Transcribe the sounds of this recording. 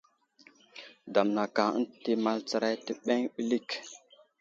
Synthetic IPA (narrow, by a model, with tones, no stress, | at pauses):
da˨mna˨ka˨ə̰˦n˨ti˦ma˦lt͡sa˨ɾa˦jtə˨ɓe˦ŋɓi˦li˦˨k